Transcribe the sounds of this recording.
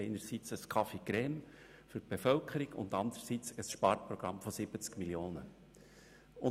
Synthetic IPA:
eɪnəɾsit͡səskʰɑfeɡ̥ɾɛːm | fʏb̥efœlkʰəɾɪɡ̥ʊ̰nd̪ɑnd̪əɾsit͡səsʃpɑːɾpɾɔɡ̥ɾɑmfɔsɪb̥ət͡skmiljoːnə | ʊ

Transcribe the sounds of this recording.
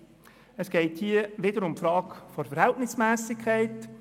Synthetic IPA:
əsɡ̥ɛɪthiəʋɪdəɾʊmpfɾɑːkfɔɾfəɾhɛltnɪsmæːsɪkʰχɛɪt

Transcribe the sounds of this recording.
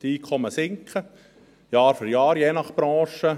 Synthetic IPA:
tiːkʰɔməsɪŋkʰə | jɑːɾfʏɾjɑːɾjeːnɑχb̥ɾɑ̃ːʃə

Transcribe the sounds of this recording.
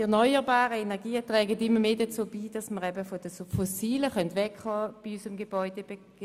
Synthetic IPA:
ɛɐnɔʏəʁbaːʁəenɛʁɡiːətʁɛːɡətɪmːəmeːdət͡soːbiːdɑsməʁɛbəfɔd̥əsfɔsiːləχœntʋɛkhɑːb̥iysəmɡeb̥ɔʏd̥eb̥e̥

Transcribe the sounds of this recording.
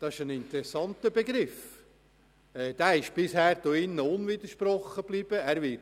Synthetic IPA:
d̥̪ɑɪʃənɪnt̪ɛɾɛsːɑnt̪əbeɡɾɪf | ɛːd̪̥æɪʃb̥ɪshæːɾd̥̪oɪnːəʊnvid̪əɾʃpɾɔχːəb̥liːb̥əæɾʋɪ

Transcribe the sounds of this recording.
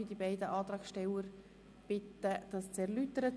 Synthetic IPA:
id̥ibaɪdəʔɑːt̪ɾɑːksʃtɛləɾ | b̥ɪt̪ːəd̥ɑst͡sɛɾlyt̪əɾə

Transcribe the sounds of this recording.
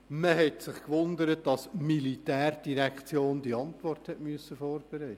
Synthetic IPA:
məɦɛtsɪχkʋʊnd̪əɾətd̥ɑsmilitæːrd̥iɾækχt͡sjoːndiɑntʋɔrthɛtmyəsːəfɔːrb̥ɛɾæɪtːə

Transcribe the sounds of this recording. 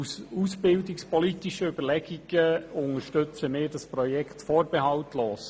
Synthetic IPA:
suːsbɪldikspʰɔlitiʃəʏb̥əɾlɛɡ̥iɡ̥əʊŋəɾʃtʏt͡səmɪːɾdɑspɾɔjɛkʰtfɔːɾb̥eɦɑltloːs

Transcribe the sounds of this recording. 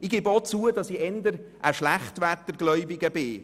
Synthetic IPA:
ɪɡɪbot͡suədɑsiɛnd̪əɾʔəʃlæχtʋæt̪ːəɾɡlœʏbɪɡəbɪ

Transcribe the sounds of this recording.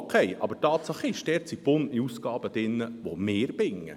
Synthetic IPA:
kʰɛjʔɑ̰bətɑːt̪sɑχɪʃtɛːɾt͡sib̥ʊniusɡ̥ɑːbəd̪̥ɪnːəʋomeːɾb̥ɪŋːə̰

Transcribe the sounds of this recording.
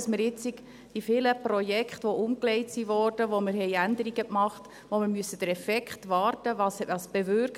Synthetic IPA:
sməɾɪt͡sik | d̥ifɪləpɾɔjɛkχtʋoʔʊmklɛɪtsiʋɔːrd̥əʋomɪɾɦɛɪænd̪əɾiɡəkmɑχt | ʋomɪɾmyəsəd̥əɾɛfɛkχtʋɑːɾtəʋɑːsɑsb̥evʏɾk

